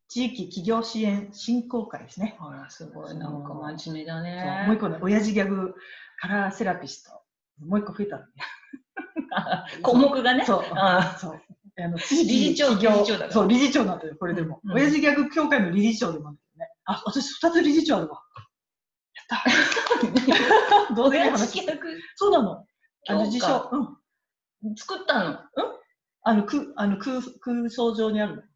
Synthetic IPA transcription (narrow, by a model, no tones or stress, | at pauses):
t͡ɕiːkʲikʲiɡʲo̞ːɕiẽ̞ɰ̃ɕĩŋko̞ːkaḭd̪e̞sɨnesɨɡoimaimed̪aneomoikːo̞neʔo̞jaʑiɡʲakɯ̟kaɾase̞ɾapʲisɨ̥t̪o̞̰ | nmo̞ːikːo̞ɸɯ̟e̞t̪and̪od̪e | komokɯ̟ɡaneso̞ːaso̞ː | ano̞t͡ɕiːkʲiioiɡʲoːod̪a̰so̞ːɾʲiʑit͡ɕo̞ːnaajoko̞ɾe̞d̪e̞mo̞ojaʑiɡʲakɯ̟kʲoːkaino̞ɾʲiʑit͡ɕo̞ːd̪e̞mãnd̪eke̥oneaβat̪aɕi̥ɸɯ̟̥t̪at͡sɨɾʲiʑit͡ɕo̞ːd̪eβa | jat̪ːa | d̪oːd̪eaɦanaɕiɯso̞ːnãno̞ | kanod͡ʑiɕoɯ̟̃ɴ | t͡sɨ̥kɯ̟t̪ːãnɯ̟̃ɴ | ano̞kɯano̞kɯːkɯ̟ːso̞ːʑo̞ːɲ̟iaɾɯ̟n